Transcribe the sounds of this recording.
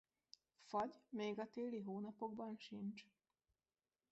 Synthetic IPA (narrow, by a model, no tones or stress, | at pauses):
fɒɟmeːɡɒt̪eːliɦoːnɒpo̞ɡbɒnʃint͡ʃ